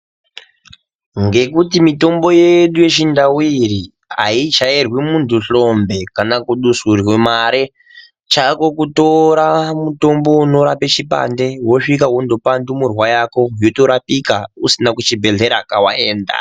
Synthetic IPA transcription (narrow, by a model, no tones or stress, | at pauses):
ŋɡe̞kutimito̞mbo̞jeɗuje̞t͡ʃindawiɾi | a̰it͡ʃairwimuntʰuɬo̞mbe̞kanakuɗusurwemaɾe | t͡ʃako̞kuto̞ɾamuto̞mbo̞uno̞ɾapet͡ʃipa̰nde̞wo̞ʂikaɦondopandumurwajako̞joto̞ɾapikausinakut͡ʃibʱe̞ɮe̞ɾakawaeːnda̰